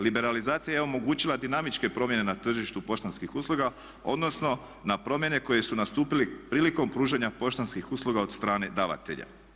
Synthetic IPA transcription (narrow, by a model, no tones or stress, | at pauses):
libe̞ɾalizaːt̪sijajeo̞mo̞ɡuːt͡ɕilˠad̪inamit͡ʃke̞pɾo̞mjene̞nat̪r̩ʒiʃt̪upo̞ʃt̪anskixuːslˠuɡa | o̞̰d̪no̞sno̞ | napɾo̞mje̞ne̞ko̞je̞sunast̪uːpilipɾiːliko̞mpɾuːʒeɲapo̞ʃt̪anskixuːslˠuɡaod̪st̪ɾaːne̞d̪aːʋa̰t̪e̞̰ʎa̰